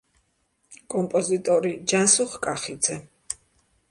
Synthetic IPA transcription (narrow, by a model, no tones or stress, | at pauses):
kʼɔmpʼɔzit̪ʼɔɾid͡ʒansuχkʼaχid̪zɛ